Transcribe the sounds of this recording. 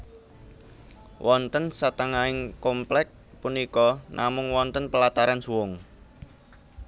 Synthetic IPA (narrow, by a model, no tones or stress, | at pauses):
wʔɔnt̪ənsat̪aŋaɪŋkomplɛk̚punikɔnʔamʊŋwɔnt̪ənpəlat̪aɾansuwʊŋ